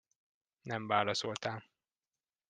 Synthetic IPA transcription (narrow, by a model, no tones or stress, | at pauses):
nɛɱvaːlɒsolt̪aːm